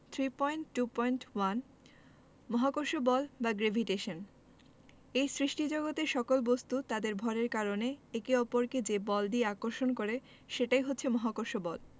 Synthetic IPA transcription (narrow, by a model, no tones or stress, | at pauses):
t̪ʰɾipɔjɳʈːupɔjnʈwan | mɔɦakoɾʃobɔlbaɡɾebʱiʈeʃon | ejsɾiʃʈid͡ʑɔɡot̪eʃɔkolbost̪ut̪ad̪eɾbʱɔɾeɾkaɾoneekeɔpoɾked͡ʑebɔlɖieakoɾʃonkoɾe | ʃeʈajɦot̪ːʰemɔɦakoɾʃobɔl